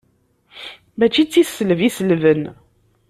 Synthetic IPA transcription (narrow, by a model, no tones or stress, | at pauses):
mæt͡ʃit͡sːisːələvisəlvən